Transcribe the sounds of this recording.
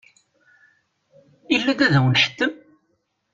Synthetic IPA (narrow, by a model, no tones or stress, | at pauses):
ilːæd̪æðəwnħə̥t̪ːəm